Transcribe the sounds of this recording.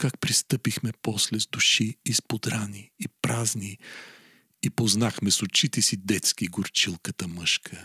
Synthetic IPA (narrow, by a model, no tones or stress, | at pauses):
kak̚pɾist̪ɤpixmɛpɔslɛzd̪ʊʃiːspod̪ɾaniːpɾazni | ipoznaxmɛsʊt͡ʃit̪ɛsid̪ɛt̪skiɡʊɾt͡ʃilˠkət̪əməʃkʰə